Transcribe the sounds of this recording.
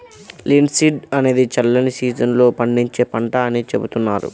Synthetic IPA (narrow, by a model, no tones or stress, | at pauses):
liːnɖsiːɖɐne̞ːd̪it͡ʃɐlːɐnisiːd͡ʒɐnlo̞ːpɐɳɖiɲt͡ʃe̞ːpɐɳʈaːɐnit͡ʃebut̪unːaːɾṵ